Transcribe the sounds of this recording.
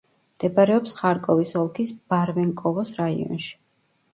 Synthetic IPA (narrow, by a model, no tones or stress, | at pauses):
md̪ɛbaɾɛɔpsχaɾkʼɔvisɔlˠkʰisb̥aɾvɛŋkʼɔvɔsɾaḭɔ̰nʃi̥